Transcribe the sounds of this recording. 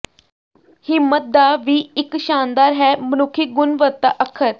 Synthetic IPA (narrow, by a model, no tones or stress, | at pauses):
hɪmːət̪̚d̪aːʋiːɪkʃaːnd̪aːɾɦɛːmənʊkʰːiɡʊnʋət̪ːaʔəkʰːəɾ